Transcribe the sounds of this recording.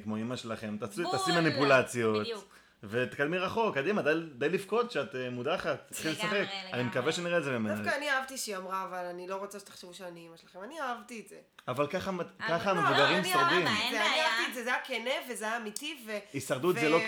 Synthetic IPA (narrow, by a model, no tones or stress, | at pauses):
kmoimaʃelaχe̞mt̪asutasimanipulat͡sjo̞t | vet̪e̥kad̪miʁaχo̞kːad̪imad̪ajd̪ajlifko̞t̪ʃeat̪emud̪aχat̪ːḁt̪χilesaχe̞kanimekaveʃeniʁetzebemeanfakaːniaavt̪iʃiamʁaːvalanilo̞ʁot͡seʃet̪ḁχʃevuʃeaniimaʃelaχemaniaavt̪ieze | avalkaχakaχamevuɡaʁimisaʁd̪imeaniaavt̪ietzezejakenevezeaːmit̪iveisaʁd̪ut̪zelo